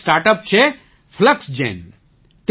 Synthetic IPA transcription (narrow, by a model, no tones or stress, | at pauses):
sʈaːɾʈəp̚t͡ʃʰe | pʰləksd͡ʒḛ̃ːn | t̪